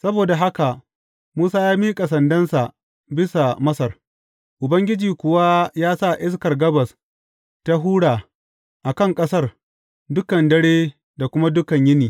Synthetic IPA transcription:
sɐ˦boː˨da˨ɦa˦ka˨ | muː˦saː˦jaː˦miː˦kʼa˨sɐ˨ndɐ˦nsa˨ | bɪ˦sa˨mɐ˦sɐ˨r | ʔʊ˨bɐ˦ŋɡʲɪ˦d͡ʒiː˨kʷʊ˨wa˦jaː˦sa˦˨ʔɪ˦skɐ˨rɡɐ˦bɐ˨s | ta˦ɦuː˦ɽaː˨ | ʔa˨kɐ˦ŋkʼɐ˦sɐ˦r | dʊ˦kɐ˨ndɐ˦ɽeː˦ | da˨kʷʊ˦ma˦dʊ˦kɐ˨ɲjɪ˦niː˨

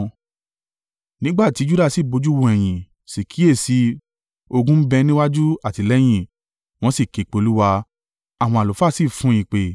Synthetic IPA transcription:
nĩ˨˦ɡ͡ba˦˨ti˨˦d͡ʒu˦da˦˨si˦˨bo˨˧˦d͡ʒu˦wo˧ɛ˨j̃ĩ˨ | si˨kʰi˨˦e˦˨si˧ | o˧ɡũ˦bɛ˧˦nĩ˦wa˦d͡ʒu˦a˦˨ti˧˨lɛ˦j̃ĩ˦˨ | w̃ɔ̃˧˦si˦˨ke˨k͡pe˨˦lu˦wa˧ | a˦˨w̃ɔ̃˧a˨lo˨fa˦˨si˦˨fũ˨˦ĩ˧˨k͡pe˨

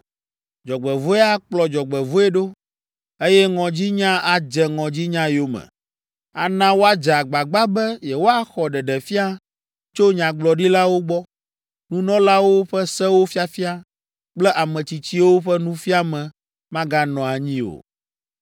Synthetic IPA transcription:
d͡ʒɔ˨ɡ͡bɛ˨vo˦e˦a˦k͡plɔ˨d͡ʒɔ˨ɡ͡bɛ˨vo˦ɛ˦ɖo˦ | e˦jɛ˦ŋɔ̃˨d͡ʑi˦ɲã˦a˨d͡ʒɛ˨ŋɔ̃˨d͡ʑi˦ɲã˦jo˦mɛ̰̃˨ | a̰˨nã˦wo˦a˦d͡ʒɛ˨a˨ɡ͡ba˨ɡ͡ba˦bɛ˦jɛ˨wo˦a˦xɔ˨ɖɛ˨ɖɛ˨fi˦a˦ | t͡ʃo˦ɲã˨ɡ͡blɔ˨ɖi˦la˦wo˦ɡ͡bɔ˦ | nũ˦nɔ̃˦la˦wo˦ɸɛ˦sɛ˦wo˦fi˦a˨fi˦a˦ | k͡plɛ˦ʔa˨mɛ̃˨t͡ɕi˨t͡ɕi˦wo˦ɸɛ˦nũ˦fi˦a˦mɛ̃˨ | mã˦ɡa˦nɔ̃˨a˨ɲĩ˦o̰˨

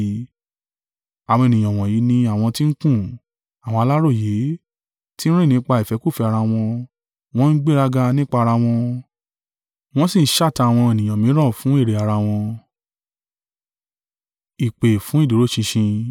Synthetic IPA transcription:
a˨w̃ɔ̃˧e˨nĩ˨j̃ɔ̃˨w̃ɔ̃˨ji˨˦nĩ˧a˦˨w̃ɔ̃˧ti˦n̩˦kũ˦˨ | a˨wɔ̃˧a˧la˦ɾo˦˨je˨˦ | ti˦n̩˦ɾ̃ĩ˦˨ĩ˨˦k͡pa˧i˨fɛ˨˦kuo˦˨fi˧a˧ɾa˧w̃ɔ̃˧ | w̃ɔ̃˦n̩˦ɡ͡be˦ɾa˦ɡa˧nĩ˦k͡pa˦˧a˧ɾa˧w̃ɔ̃˧ | w̃ɔ̃˦sĩ˦˨n̩˦ʃa˦˨ta˧a˨w̃ɔ̃˧e˨nĩ˨j̃ɔ̃˨mĩ˨˦ɾɔ̃˦˨fũ˨˦e˦˨ɾe˨a˧ɾa˧w̃ɔ̃˧ | i˨k͡pe˨fũ˨˦i˦˨do˨˦ɾo˦ʃĩ˧ʃĩ˧

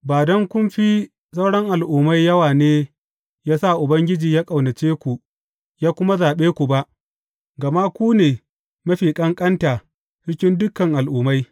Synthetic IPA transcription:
baː˨dɔ˦ŋkʷʊ˦mɸiː˦ | sɐ˦wɽɐ˦ŋʔa˨lʔuː˨ma˦jːɐ˦waː˨neː˦ | jaː˦sa˦˨ʔʊ˨bɐ˦ŋɡʲɪ˦d͡ʒiː˨jaː˦kʼɐ˨wnɐ˨t͡ʃeː˦kʷu˨ʔ | jaː˦kʷʊ˦ma˦zaː˨ɓeː˦kʷu˨ba˦ʔ | ɡɐ˨ma˦kʷuː˦neː˨ | mɐ˦ɸiː˨kʼɐ˦ŋkʼɐ˦ntaː˨ | t͡ʃɪ˦kʲɪ˦ndʊ˦kːɐ˨ŋʔa˨lʔuː˨ma˦j

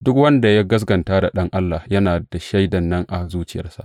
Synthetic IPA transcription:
dʊ˦kwɐ˦nda˨ja˦ɡɐ˦s̬ɡɐ˨ntaː˦da˨ɗɐ˦ŋʔa˦lːa˨jɐ˦naː˨d̥a˨ʃa˦jdɐ˨nːɐ˦ŋʔa˨zuː˦t͡ʃɪ˨jɐ̰˦rsa̰˦ʔ

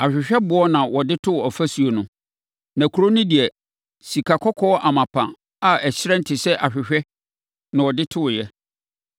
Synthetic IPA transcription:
a˨ɕᶣɪ˨ɕᶣɛ˦bʊ˦ɔ˦nã˨wɔ˨dɪ˦tʰʊ˦wɔ˨fæ˦su˨o˨nʊ̃˦ | nã˨kʰu˨ɾo˦nʊ̃˦di˨ɛ˨ | si˨kʰa˨kʰɔ˦kʰɔ˦ʔa˨mã˨pʰã̰˨ | a˨ɛ˨ɕɪ˦ɾɛ̃˦n̩˦tʰɪ˨sɛ˦ʔa˨ɕᶣɪ˨ɕᶣɛ˦ | nã˨wɔ˨dɪ˦tʰʊ˦ʊ˨jɛ˦

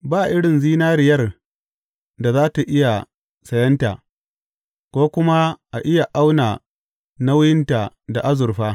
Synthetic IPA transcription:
baː˦˨ʔɪ˦ɽɪ˨nziː˦naː˦ɾɪ˨jɐ˦r | da˨zaː˦ta˨ʔɪ˦ja˨ | sɐ˨jɐ˦nta̰˨ | kʷoː˦kʷʊ˦ma˦ʔa˨ʔɪ˦ja˨ʔa˦wnaː˨ | na˦wʊ˦jɪ˦nta˨ | da˨ʔa˦zʊ˨rɸaː˦

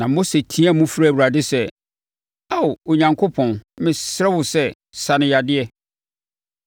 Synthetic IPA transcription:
nã˨mo˦se˨tʰĩ˦æ˦˨mũ˦fɾa˦˨wu˨ɾa˨dɪ˦sɛ˦ | a˦˨wo˨ɲã˨ŋkʰo˦pʰɔ̃˨n˦mɪ̃˨sɛ˦wʊ˨sɛ˦ | sa˨nɪ̃˦ja˨dɪ˦ɛ˦

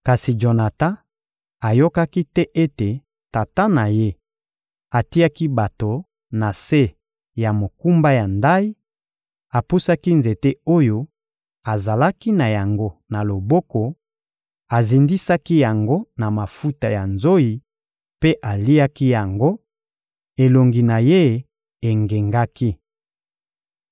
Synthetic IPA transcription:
ka˨si˨d͡ʒo˨na˨ta˦ | a˨jo˦ka˦ki˦tɛ˦ʔe˦te˨ | ta˨ta˦na˨je˦ | a˨ti˦a˦ki˦ba˨to˨ | na˨se˦ | ja˨mo˨ku˦mba˦ja˨nda˦i˦ | a˨pu˦sa˦ki˦nze˨te˦o˦jo˦ | a˨za˨la˦ki˦na˨ja˨ŋɡo˦na˨lo˨bɔ˦kɔ˨ | a˨zi˨ndi˦sa˦ki˦ja˨ŋɡo˦na˨ma˨fu˦ta˨ja˨nzo˦i˨ | pe˦ʔa˨li˦a˦ki˦ja˨ŋɡo˦ | e˨lo˨ŋɡi˨na˨je˦ | e˨ŋɡe˨ŋɡa˦ki˦

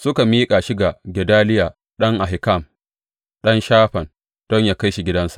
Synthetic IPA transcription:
sʊ˦ka˨miː˦kʼa˨ʃɪ˦ɡa˨ɡʲɛ˨daː˦lɪ˦ja˨ | ɗɐ˦ŋʔa˨ɦɪ˨ka˦˨m | ɗɐ˦nʃaː˦ɸɐ˨n | d̥ɔ˦ɲjaː˨ka˦jʃi˨ɡʲɪ˦dɐ˦nsḁ˨ʔ

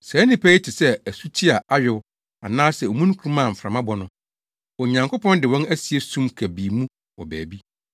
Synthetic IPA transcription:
sɛ˨˦nːɪ̃˦pʰæ˦i˦tʰɪ˨sɛ˦æ˨su˦tʰi˦a˨ʔa˦ɥɪ˦wʊ˦ | a̰˨nãː˦sɛ˨ɔ˨mũ˦n˦kʰu˨˦u˦mã˦˨m̩˨fɾã˨mã˦bɔ˦nʊ̃˨ | wɔ˨ɲã˨ŋkʰo˦pʰɔ̃˦ndɪ˨wɔ̃˦næ˦si˨e˦sũ˦mkʰæ˨biː˨mũ˦ | wɔ˨bæː˨bi˦

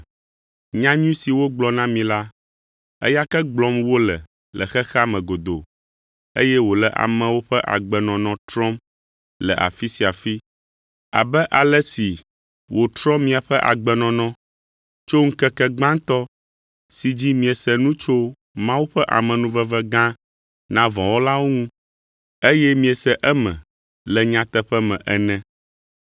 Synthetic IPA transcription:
ɲã˦ɲũ˦si˨wo˦ɡ͡blɔ˨nã˦mĩ˨la˦ | ɛ̰˦ja˦kɛ˦ɡ͡blɔ˦mwo˦lɛ˨ | lə̰˨xɛ˦xa˦mɛ̃˨ɡo˨d̪o˨ | ḛ˦jɛ˦wo˨lɛ˨ʔa̰˨mɛ̃˨wo˦ɸɛ˦ʔa̰˨ɡ͡bɛ˨nɔ̃˨nɔ̃˨t̪ɾɔ̃˦m | lɛ̰˨ʔa̰˨fi˦si˨a˨fi˦ | a̰˨bɛ˦ʔa˨lɛ˦si˨ | wo˨t̪ɾɔ̃˦mmːĩ˦a˨ɸɛ˦ʔa̰˨ɡ͡bɛ˨nɔ̃˨nɔ̃˦ | t͡ʃo˦ŋ̩˦kɛ˦kɛ˦ɡ͡bã˦ŋ˦t̪ɔ˦ | si˨d͡ʑi˦mĩ˨ɛ˨sɛ˦nũ˦t͡ʃo˦ | mã˦wu˦ɸɛ˦ʔa̰˨mɛ̃˨nũ˦vɛ˦vɛ˦ɡã˦ | nã˦vɔ̃˨wo˦la˦wo˦ŋũ˦ | e˦jɛ˦mĩ˦ɛ˨sɛ˦ʔɛ˦mɛ̰̃˨ | lɛ˨ɲã˦t̪ɛ˦ɸɛ˦mɛ̰̃˨ʔɛ˨nɛ̃˦

